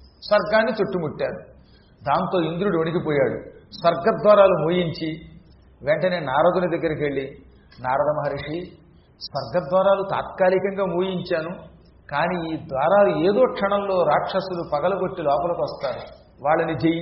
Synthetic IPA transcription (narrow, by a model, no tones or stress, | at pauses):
sʋɐɾɡaːnːit͡ʃ̪oʈːumuʈːaːɾu | d̪aːnt̪o̞ːind̪ɾuɽonikipɔːjaːɽṵsʋɐɾɡɐd̪ʋaːɾaːlumuːjiɲt͡ʃi | ʋeɳʈɐne̞ːnaːɾɐd̪unɐd̪ɐɡːɐɾɐkeɭːi | naːɾɐd̪ɐmɐɦɐɾiʂi | sʋɐɾɡɐd̪ʋaːɾaːlut̪a̰ːt̪kaːɾikɐŋɡaːmuːjiɲt͡ʃaːnu | kaːniːiːd̪ʋaːɾaːlueːd̪o̞ːkʂɐɳɐllo̞ːɾaːkʂɐsulupɐɡɐlɐɡo̞ʈːilɔːpɐlɐkuʋɐst̪aːɾu | ʋaːɭːɐnid͡ʒej